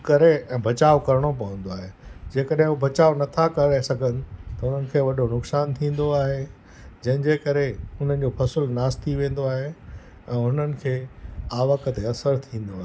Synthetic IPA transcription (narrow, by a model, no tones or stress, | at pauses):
kɐɾeɛ̃ːbʱɐt͡ɕaːʋkɐɾəɽ̃op̬ɐʋə̃n̆d̪oaːɦed͡ʑeːkəɗɦɪ̃ubʱɐt͡ɕaːonɐt̪ʰakɐɾasɐɡʱənɪ̆t̪ɐʊn̤ənɪ̆kʰeːʋɐɗʱonʊksaːnt̪ʰĩːn̆d̪oaːɦe | d͡ʑɐ̃ɦɪ̃d͡ʑeːkɐɾeʊn̤ənɪ̆d͡ʑoːpʰɐsəlnaːst̪ʰiʋẽːn̆d̪oaːɦe | ɛ̃ːʊn̤ənɪ̆kʰeːaːʋəkət̪eɐsəɾt̪ʰĩːn̆d̪oaːɦe